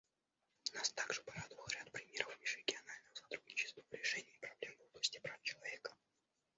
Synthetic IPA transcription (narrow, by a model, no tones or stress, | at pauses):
nast̪aɡʐɨpaɾad̪əvəlˠɾʲat̪pɾʲɪmʲe̞ɾəfmʲiʂɾʲɪɡʲɪɐnalʲnəjəsɐt̪ɾud̪nʲɪt͡ɕɪst̪vəvɾʲɪʂɛnʲɪːpɾɐblʲe̞mvoblˠəsʲtʲɪpɾaft͡ɕɪlˠɐvʲe̞kə̥